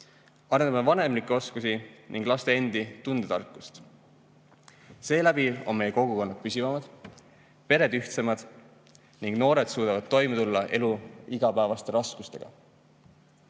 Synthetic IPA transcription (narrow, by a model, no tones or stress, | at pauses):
ɑɾend̪ɑmevɑne̞mlikːˑeo̞skusiniŋɡ̥lɑst̪e̞end̪̥it̪und̪̥ed̪ɑ̰rkːˑust̪ | se̞ːlæb̥io̞̰nme̞jeko̞ɡ̥uko̞nːɑt̪̚pysʲivɑmɑd̪̥ | pe̞ɾe̞d̪yht̪se̞mɑd̪̥ | niŋɡ̥no̞ːɾe̞d̪̥suːd̪ɑvɑd̪̥̚t̪o̞jmet̪ulːɑʔe̞luiɡ̥ɑpæevɑst̪e̞ɾɑskust̪e̞̰ɡ̥ɑ̰